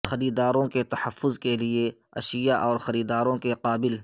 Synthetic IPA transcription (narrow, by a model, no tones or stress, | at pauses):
xɐɾiːd̪aːɾõket̪ɐhəfːʊzkelieɐ̰ʃɪjaʔɔːɾxɐɾiːd̪aːɾõkeqaːbɪl